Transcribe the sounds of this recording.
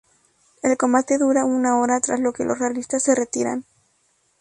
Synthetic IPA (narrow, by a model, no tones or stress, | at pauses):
e̞lko̞mbat̪e̞ðuɾaunao̞ɾat̪ɾazlo̞ke̞̰lʔo̞srealist̪asːe̞re̞t̪iɾa̰n